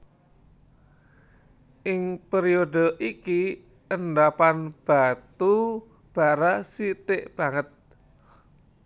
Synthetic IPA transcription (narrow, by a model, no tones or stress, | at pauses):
ʔɪŋpeɾiodə̤ʔiki | ənɖapanb̥at̪u | b̥a̤ɾasit̪eʔb̥a̤ŋət̪̚